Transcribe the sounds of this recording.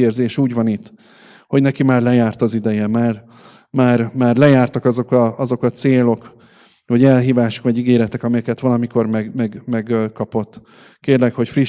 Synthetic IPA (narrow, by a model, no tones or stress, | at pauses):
eːrzeːʃuːɟvɒnit̪ː | ho̞ɟnɛkimaːrlɛjaːrt̪ɒzid̪ɛjɛmaːr | maːrmaːrlɛjaːrt̪ɒkɒzo̞kɒɒzo̞kɒt̪seːlo̞k | oɟɛlɦiːvaːʃo̥kʋɒɟiɡeːɾɛt̪ɛkɒmɛjɛkɛt̪ʋɒlɒmiko̞rmɛɡmɛɡmɛɡkɒpo̞t̪ː | keːrlɛkho̞cfriʃ